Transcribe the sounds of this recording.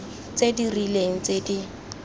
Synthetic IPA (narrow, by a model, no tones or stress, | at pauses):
t͡sedirileŋ̩t͡sʼedi